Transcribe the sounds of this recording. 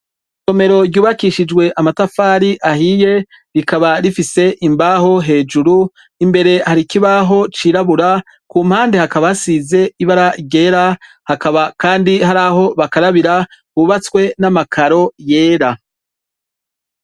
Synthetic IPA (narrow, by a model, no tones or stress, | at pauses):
t͡ʃo̞me̞ɾo̞ɾɟuːβakiːʃid͡ʒwe̞ʔamatafaːɾiʔahiːje̞ | ɾikaβaɾifise̞ʔimbaɦo̞ɦe̞ːd͡ʒuɾu | imbe̞ɾe̞haɾikiβaɦo̞t͡ʃiːɾaβuɾa | kuːm̥haːndehakaβasize̞iβaɾaɟe̞ːɾa | hakaβakaːndiɦaɾaːɦo̞βakaɾaβiɾakuːβat͡swe̞namakʰaɾo̞je̞ːɾa